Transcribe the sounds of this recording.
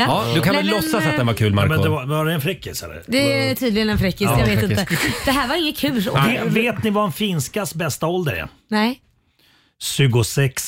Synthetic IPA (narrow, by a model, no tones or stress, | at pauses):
jɑd̪ɵkʰanvɛlːɔsːasat̪̚d̪ɛnvaɾkʰʉ̟ːlmaɾmɛd̪ɛvavaɖɛɛnfɾɪkːɪsɛ̰lə̰d̪ɛɛt̪ʰyːd̪lɪɡənɛnfɾɪkːɪsjaveːt̪ɪnəd̪ɛɦæːɾvaɾɪŋːət̪kʰʉ̟ːlsveːveːt̪nɪvaɛnfiːnskasbɛst̪aɔld̪əɾɛ̰ | nɛ | ʃʉ̟ːɡʊsɛks